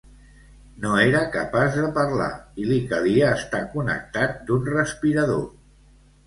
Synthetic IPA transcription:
noeɾəkəpazðəpəɾla̰ilikəðiəːst̪akunə̰k̚t̪at̪̚d̪unrəspiɾəðo̰

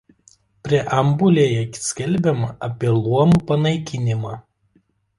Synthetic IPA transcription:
pʲɾʲiɛʔɐmbʊlʲeːjɛkʲsʲkʲɛlʲbʲɛmɐʔɐpʲiɛlˠuɔmuːpɐnɐɪkʲɪnʲɪmɑː

